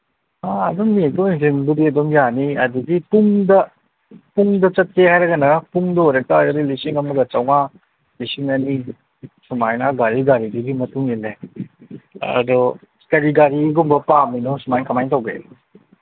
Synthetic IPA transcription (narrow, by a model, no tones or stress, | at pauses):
aɐdoŋmiek̚toŋiŋsinbudiɐdomjaniɐduɡipuŋdɐ | puŋdɐt͡ʃɐt̚ehajɾɐɡɐnɐpuŋdɔojɾɐk̚taɡdilisiŋɐmuɡɐt͡ʃawŋa | lisiŋɐni | sumajnaɡaɾiɡaɾidiɡimɐtuŋile | ɐ̰dɔ | kɐɾiɡaɾiɡumbɐpaminɔsumajkʰamajtawɡe